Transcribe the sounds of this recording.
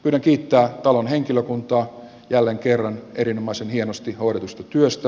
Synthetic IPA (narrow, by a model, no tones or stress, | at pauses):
pyːɾæŋkiːt̪ːæːt̪ɑlonheŋkiløkunt̪ɑː | jælːeŋkerːɑneɾinomɑisenhienost̪ihoiɾet̪ust̪ɑt̪yøst̪æ